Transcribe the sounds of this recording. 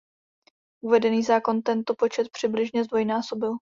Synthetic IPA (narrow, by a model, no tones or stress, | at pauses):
ʔuvɛdɛniːzaːko̞nt̪ɛnt̪o̞po̞t͡ʃɛt̪̚pr̝̥ɪblɪʒɲɛzd̪vo̞jnaːso̞bɪl